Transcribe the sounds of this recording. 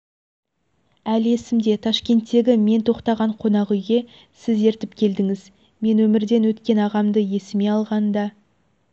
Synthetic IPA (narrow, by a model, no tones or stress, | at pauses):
æle̞sɪmd̪e̞t̪ʰɑʃkʲe̞nt̪ːe̞ɡʲɪme̞nt̪ʰo̞qt̪ɑʁɑɴqʰo̞nɑʁʏjɡʲe̞ | sɪze̞ɾt̪ɪpkʲʰe̞ld̪ɪŋɪz | me̞nwɵmɪɾd̪e̞nwɵt̪kʲe̞nɑʁɑmd̪əje̞sɪme̞ɑlˠʁɑnd̪ɑ